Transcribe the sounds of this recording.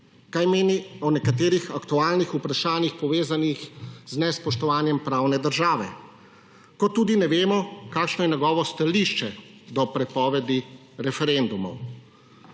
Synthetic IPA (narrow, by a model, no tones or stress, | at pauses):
kajmeːniɔnɛkat̪eːɾixakt̪uaːlnixupɾaʃaːnixpɔʋeːzanixznɛspɔʃt̪ɔʋaːnjɛmpɾaːwnɛd̪əɾʒaːʋɛ̰ | kɔt̪ːuːd̪inɛʋeːmɔkaːkʃnɔjɛnɛɡɔːʋɔst̪aliʃt͡ʃɛd̪ɔpɾɛpɔːʋɛd̪i | ɾɛfɛɾend̪umɔw